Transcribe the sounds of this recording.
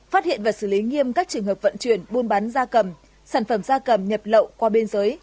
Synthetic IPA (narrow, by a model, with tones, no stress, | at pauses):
fa˦˥t̚hḭ˧˨ənvaː˨˩sɨ˧˩li˨˦ŋi˧əmkaː˦˥k̚t͡ɕɨ˨˩əŋɦəː˨˩p̚və̰˧˨nt͡ɕwi˧˩ənɓu˧ənɓa˨˦nzaː˧kə˨˩m | saː˧˩nfə˧˩mzaː˧kə˨˩mɲə˨˩p̚lə̰˧˨wkwaː˧ɓe˧nzəː˨˦j